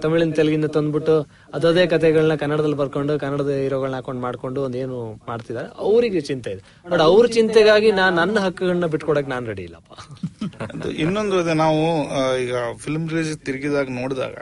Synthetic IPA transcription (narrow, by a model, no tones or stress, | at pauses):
t̪ɐmiɭinɐt̪elɡind̪ɐt̪ond̪biʈːu | ɐd̪ɐːd̪eːkɐt̪ʰɛɡɐɭɐnːɐkɐnːɐɽɐd̪ɐlːibɐɾkoɳɖukɐnːɐɽɐd̪ɐiɾoɡɐɭɐnɐaːko̞ɳɖmaːɖko̞ɳɖuond̪e̞ːnumaːɖt̪id̪aːɾeʔɐʋɾiɡet͡ʃint̪eid̪e | bɐʈɐʋɾut͡ʃint̪ɛɡaːɡinaːnːɐnːɐɦɐkːɐɡɐɭnːɐbiʈːkɔɽoːk̬ːenaːnuɾeɽḭːlːɐ̰ːpːa̰ | ɐd̪ṵinːond̪ɾod̪enaːʋuiːɡɐpʰilmɾed͡ʒt̪iɾiɡid̪aːɡɐnoːɽd̪a̰ːɡɐ̰